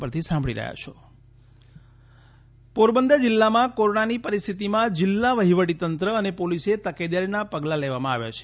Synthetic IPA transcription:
pəɾt̪ʰisãmbʱɭiɾə̰ɦja̰t͡ʃʰo | poɾbənd̪ʱəd͡ʒɪlːamãkoɾoɳanipəɾist̪ʰit̪imãd͡ʒɪlːaʋəɦiʋəʈit̪ənt̪ɾəənepoliset̪əked̪aɾinapəɡlaleʋamãaʋja̰t͡ʃʰe̥

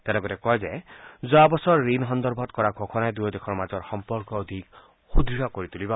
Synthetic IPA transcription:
t̪enɔkɔɾekɔed͡ʒezoabɔsɔɾːinɦɔnd̪ɔɾbʱɔt̪kɔɾaɡʱokʰɔnaed̪ujɔd̪ekʰɔɾmad͡ʒɔɾxɔmpɔɾkɔːd̪ʱik | xud̪ɾiɾɔkoɾit̪uliba

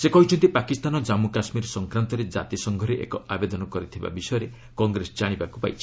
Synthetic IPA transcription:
sekɔɦit͡ʃʰɔnt̪ipakist̪anɔd͡ʒamukasmiɾsɔŋkɾant̪ɔɾed͡ʒa̰t̪isɔŋɡʱɔɾeʔḛkɔabed̪ɔnɔkɔɾit̪ʰiba̰bisɔjɔɾe | kɔŋɡɾesɔd͡ʒaɽ̃ibakupa̰jt͡ʃʰi̥

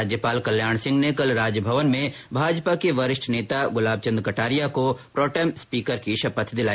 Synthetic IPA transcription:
aːd͡ʒjəpaːlkɐljaːɳ̃sɪ̃ŋɡnekɐlɾaːd͡ʒəbʱəʋənmẽbʱaːd͡ʒpakeʋɐɾɪʃʈʰneːt̪aɡʊlaːb̚t͡ʃə̃nd̪ɾkɐʈaːɾijakopɾɔːʈɛːmspiːkəɾkiʃɐpət̪ʰd̪ɪlaːi

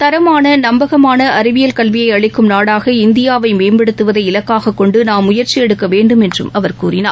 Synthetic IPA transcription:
t̪ɐɾɐmaːnɐnɐmbɐɣɐmaːnɐʔɐɾɯʋɪjɐlkɐɭʋɪjɐɪɐɻɪkːɯmnaːɽaːɣɐɪnd̪ɪjaːʋɐɪmeːmbɛɽɯt̪ːɯʋɐðɐɪɪlɐkːaːɣɐkːɔɳɖɯnaːmːʊjɐɾt͡ʃijɛɽɯkːɐʋeːɳɖɯmɛndrɯ̰mɐʋɐɾkuːrɪna̰ː

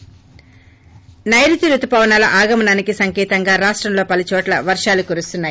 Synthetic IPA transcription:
nɐjɾit̪iɾut̪upɐʋɐnaːlɐʔaːɡɐmɐnaːnikisɐŋkɛːt̪ɐŋɡaːɾaːʂʈɾɐmlo̞ːpɐlut͡ʃɔːʈlɐ̰ʋɐɾʂaːlukuɾust̪unːaːji

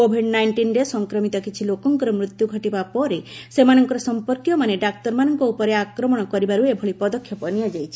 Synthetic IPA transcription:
kobʱiɖnajɳʈinɾesɔŋkɾɔmit̪ɔkit͡ʃʰilokɔŋkɔɾɔmɾut̪juɡʱɔʈibapɔɾesemanɔŋkɔɾɔsɔmpɔɾkjɔmaneɖak̚t̪ɔɾmanɔŋkɔupɔɾeakɾɔmɔɽ̃ɔkɔɾibaɾuebʱɔɭipɔd̪ɔkʰːjɔpɔnijad͡ʒajt͡ʃʰi̥

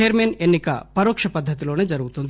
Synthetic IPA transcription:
eːɾmenenːikɐpɐɾoːkʂɐpɐd̪ʱːɐt̪̬ilo̞ːneːd͡ʒɐɾuɡut̪und̪i

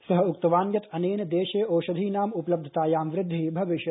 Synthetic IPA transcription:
sɐɦɐukt̪ɐʋaːnɡɐt̪ɐneːnd̪eːʃeːoːʃɐd̪ʱiːnaːmupɐlɐb̚d̪ʱɐt̪aːjaːmʋɾɪd̪ʱːibʱɐʋɪʃjɐ

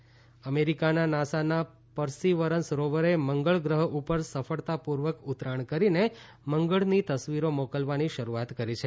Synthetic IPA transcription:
əmeɾikananasana | pəɾsiʋəɾənsɾoʋəɾeməŋɡəɭɡɾəɦəʔupəɾsəfəɭt̪apuɾʋəkʊt̪ɾaɳkəɾine | məŋɡəɭnit̪əsʋiɾomokəlʋaniʃəɾuat̪kəɾit͡ʃʰe

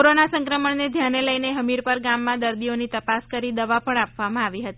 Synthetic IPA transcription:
oɾonasə̃ŋkɾəməɳned̪ʱjaneləjneɦəmiɾpəɾɡamːãd̪əɾd̪ionit̪əpaskəɾid̪əʋapəɳapʋamãaʋiɦət̪i

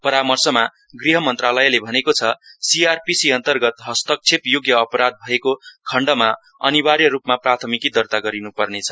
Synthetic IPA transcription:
pʌɾamʌrsʌma | ɡriɦʌmʌnt̪ralʌjlebʱʌnekot͡sʰʌsiarpisiʌnt̪ʌrɡʌt̪ɦʌst̪ʌk̚t͡sʰepjoɡjʌːpʌɾad̪̚bʱʌekokʰʌɳɖʌma | ʌ̰niwaɾjʌɾupmaprat̪ʰʌmikid̪ʌrt̪aɡʌɾinupʌrnet͡sʰʌ̥

